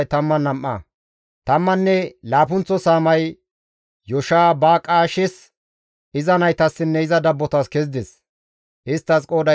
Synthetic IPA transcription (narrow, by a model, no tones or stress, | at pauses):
jt̪ɐmːɐnɐmʔːɐ̰ | t̪ɐmːɐnːɛlaːpʊnt͡sːɔsaːmɐj | jɔʃaːbaːkʼaːʃɪs | ɪzɐnɐjt̪ɐsːɪnːɛɪzɐd̪ɐbːɔt̪ɐskɛzd̪ɛs | ʔɪst̪ːɐskʼoːd̪ɐ